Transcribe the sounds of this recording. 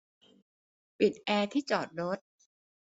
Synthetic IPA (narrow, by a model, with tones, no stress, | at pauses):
pi˨˩t̪̚ʔɛː˧t̪ʰiː˥˩t͡ɕɔː˨˩t̪̚ɾo˦˥t̪̚